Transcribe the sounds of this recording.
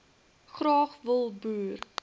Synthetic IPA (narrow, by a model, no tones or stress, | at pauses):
χrɑːχvəlˠbuːr